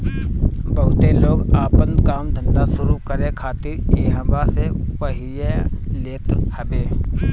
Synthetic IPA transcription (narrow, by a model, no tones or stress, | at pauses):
bəɦʊt̪eloːɡaːpə̃nd̪kaːmd̪ʱə̃nd̪asʊɾukəɾẽkʰaːt̪ɪɾeːɦə̃basepəɦieleːt̪həbeː